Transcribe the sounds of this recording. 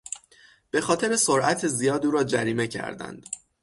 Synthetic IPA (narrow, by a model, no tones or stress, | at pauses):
b̥e̞xɒːt̪ʰe̞ɾe̞soɾæt̪ʰezijɒːd̪uːɾɒːd͡ʒæɾiːme̞cʰæ̰ɾd̪æ̰nd̪̥